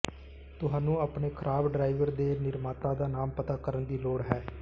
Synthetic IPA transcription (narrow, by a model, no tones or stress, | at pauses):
t̪ʊɦãːnũːaːpɳeːkʰəɾʔaːbɖɾaːɪʋəɾd̪eːnɪɾmaːt̪aːd̪aːnaːmpət̪aːkəɾənd̪iːloːɽɦɛː